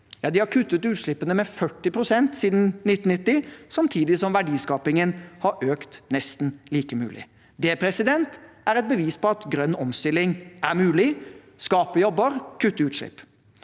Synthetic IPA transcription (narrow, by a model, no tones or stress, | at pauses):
jɑːd̪ɪhɑɾkʰʉt̪ːət̪ʉːt̪ʂɭɪpːənəmɛfœʈːɪpʰɾʊsɛnt̪siːd̪nnɪt̪ːn̩nɪt̪ːɪsɑmt̪ʰiːd̪ɪsɔmʋæɖiːskɑːpɪŋənhɑɾʔøːkt̪nɛst̪n̩liːkəmʉ̰ːlɪ̰ | d̪ɛpʰɾɛsɪd̪ɛnt̪æɾɛt̪̚bəʋiːspʰɔɑt̪ɡɾœnːɔmst̪ɪlɪŋæɾmʉːlɪ | skɑːpəjɔbːəɾkʰʉt̪ːəʉːt̪ʂɭɪ̰pː